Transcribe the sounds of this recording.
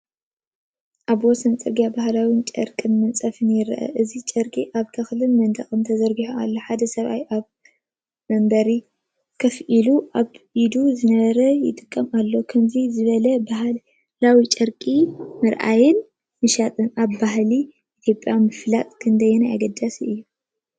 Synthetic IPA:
ʔaβwɔsɐnt͡sʼɐɡijabahlawint͡ʃʼɐ̰ɾkʼɨnmɨnt͡sʼɐfɨnjɪɾʔɐ̰ʔɨzit͡ʃʼɐɾkʼiʔaβt̪ʰɐxlɨnmɐnt̪ʰʼɐxʼɨnt̪ʰɐzɐɾɡiħoa̰lːoħad̪ɐsɐβa̰jʔaβ | mɐmbɐɾi | kʰɐfʔiluʔaβid̪uzɨnɐβɐɾɐjɪ̰t̪ʼɨkʼːɐmalːo̞kʰɐmzizɨβɐlɐbaɦ | lawit͡ʃʼɐɾkʼimɨɾʔa̰jɪn | mɨʃat̪ʼɨnaβbaɦli | ʔit̪ʰjo̞pʼjamɨflat̪ʼkʰɨnd̪ɐjɛnaja̰ɡɐd̪ːasiʔɨjːu

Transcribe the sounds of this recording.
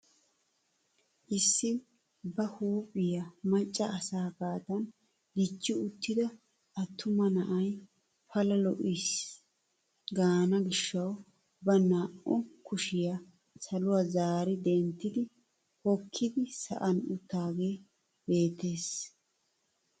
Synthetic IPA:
ʔɪsːɪ | bɐhuːpʼːɪjɐmɐt͡ʃʼːɐːsaːkaːt̪ɐn | d̪ɪt͡ʃːɪʊt̪ʰːɪd̪ɐ | ʔɐt̪ːʊmɐnɐʔɐj | pɐlɐlɔʔis | ɡaːnɐɡɪʃːɐw | bɐnaːʔʊkʊʃɪjɐ | sɐlʊwazaːɾɪd̪ɛnt̪ːɪd̪ɪ | hɔkʰːɪd̪ɪsɐ̰ʔɐnʊt̪ːaːɡe̞ː | be̞ːt̪ːe̞ːs

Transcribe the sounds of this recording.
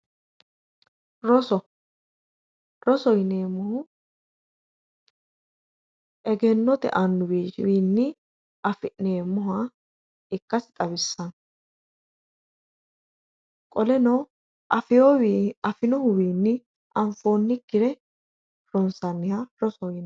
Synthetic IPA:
ɾɔsɔ | ɾɔsɔjneːmʊhʊ | ʔɛɡɛnːɔt̪ɛ̰ʔɐnːʊwiːʃɪwiːnːɪ | ʔɐfɪʔneːmːʊɦa | ɪkːɐsɪt̪ʼɐβɪsːɐn | kʼɔlɛnɔ | ʔɐfɪjoːwiːɐfɪnɔhʊwiːnːɪ | ɐɱfo̞ːnːɪkːɪɾɛ | ɾɔnsɐnːɪhaɾɔsɔjɪn

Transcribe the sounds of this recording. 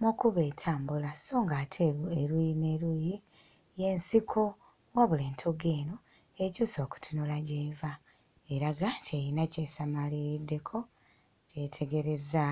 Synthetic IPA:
mukuβe̞tʰaːmbulaso̞ːŋɡatʰeeɾujineɾuji | jensikʰo | waβuleːntʰoɡe̞ːno | ecuːso̞ːku̥tʰunulaɟeːva | eɾaɡantʰejinaceːsamalidːe̞kʰo̞ | cetʰe̞ɡe̞ɾeza

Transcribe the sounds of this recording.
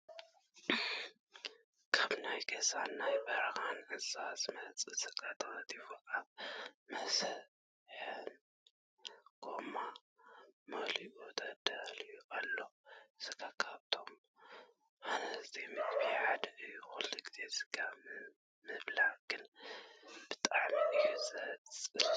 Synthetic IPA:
kʰaβnajɡɐsanːajbɐɾɐxanʕɨsasmɐt͡sʼɨsɨɡat̪ʰɐɣɐt̪ʼifokʰʼaβmɐsɐβ | ħɨn | ɡ̥o̞ma | mɐliʔot̪ʰɐd̪ɐlɨjuʔalːo̞sɨɡakʰaβt̪ʰo̞m | ʔanɐzt̪ʰimɨkbiħad̪ʔɨjuxulːiɡize̞zɨɡa | mɨβlaɡ̥ɨn | b̥ɨt̪ʼaʕmiʔɨjusɐt͡sʼɨ

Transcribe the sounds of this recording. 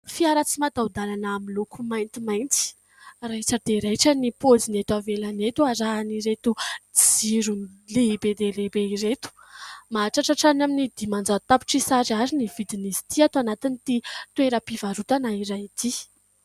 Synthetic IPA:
fiaɾat͡simat̪aud̪alanaːmilukumajnt̪imajnt͡s̪i̥ | raʈ͡ʂəd̪eɾeʈ͡ʂənipod͡zinet̪wavelanet̪uaɾaɦaniɾet̪ud͡ziɾunleibed̪elebeiɾet̪u̥ | maʈ͡ʂaʈ͡ʂaʈ͡ʂanaminid̪imand͡zat̪api̥ʈ͡ʂisaɾaɾinivid̪inizi̥t̪iat̪anat̪init̪it̪weɾəpivaɾut̪anaiɾajit̪i

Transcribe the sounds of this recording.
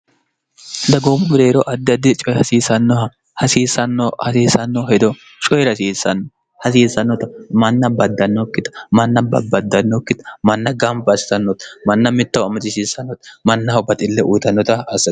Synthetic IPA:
d̪ɐɡomʊmʊd̪eːɾɔʔɐd̪ːɪɐd̪ːɪt͡ʃʼɔjhɐsiːsɐnːɔhɐ | hɐsiːsɐnːɔhɐsiːsɐnːɔhɛd̪ɔ | t͡ʃʼɔjɾɐsiːsːɐnːɔ | hɐsiːsɐnːɔt̪ɐmɐnːɐbɐd̪ːɐnːɔkːɪt̪ɐ̥mɐnːɐbɐ̰bɐd̪ːɐnːɔkːɪt̪ɐ̥mɐnːɐɡɐmbɐɐsɪ̥sɐnːɔt̪ɐ̥mɐnːɐmɪt̪ːɐwɐmɐt̪ɪsiːsɐnːɔt̪mɐnːɐwbɐt̪ʼɪlːɛʔuːt̪ɐnːɔt̪ɐɐsɐ

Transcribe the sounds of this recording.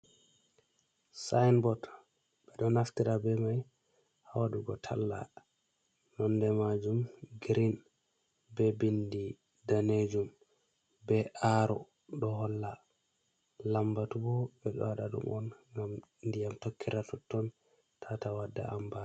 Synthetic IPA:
sajnbɔt | bɛɗɔnaftiɾabɛmaj | hawaɗuɡɔtʰa̰lːa̰ | nɔndɛmad͡ʒumɡɾin | bɛbindi | daned͡ʒum | bɛʔaɾɔ | ɗɔhɔlːa | lambatubɔbɛɗɔ̰waɗaɗṵmʔɔnŋɡamndijamtokːiɾatutːɔn | tʰatawadːa̰amba

